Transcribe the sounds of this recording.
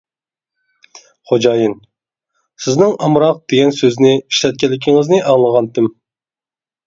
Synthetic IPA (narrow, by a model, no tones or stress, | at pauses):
χod͡ʒɑjɨn | sɪznɪŋɑmɾɑq̚d̪̥eɡʲɛnsøznɪiʃlɛt̪̚kʲɛlːɪkʲʰɪŋɪznɪʔɑŋlˠəʁɑnt̪ʰɪm